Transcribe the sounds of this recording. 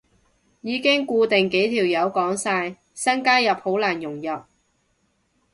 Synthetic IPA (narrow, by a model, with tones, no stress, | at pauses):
jiː˨˧kɪ˥ŋkuː˧t̪ɪ˨ŋke˨˥jt̪ʰiː˨˩wjɐ˨˧wkɔː˨˥ŋsaː˧j | sɐ˥nkaː˥jɐ˨p̚ho˨˥wlaː˨˩njʊ˨˩ŋjɐ˨p̚